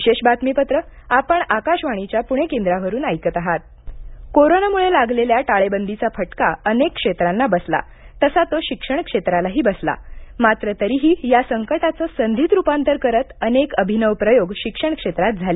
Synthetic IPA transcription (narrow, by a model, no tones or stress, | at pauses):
ʋiɕeɕbat̪mipət̪ɾəapəɳakaɕʋaɽ̃it͡ɕjapuɽ̃ekend̪ɾaʋəɾuːnajkət̪aɦat̪̚ | koɾonamuɭelaɡleljaʈaɭebənd̪ʱit͡safʰəʈkaənekːʂet̪ɾanːabəsla̰ | t̪əsat̪oɕikʂəɳ̃kʂet̪ɾalaɦiːbəsla̰mat̪ɾət̪əɾiːɦiːjasəŋkəʈat͡səːsənd̪ʱiːt̪ɾupant̪əɾkəɾət̪ənekəbʱinəʋpɾəjoɡɕikʂəɳ̃kʂet̪ɾat̪̚d͡zʱale